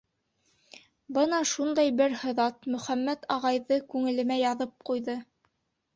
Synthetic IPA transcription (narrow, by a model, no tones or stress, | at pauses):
bɤnɑʃund̪ɑjbɘɾhɤ̆ðɑt̪mɵ̆χæmːæt̪ɑʁɑjðɤkʉŋɘ̆lɘ̆mæjɑðɤp̚qujðɤ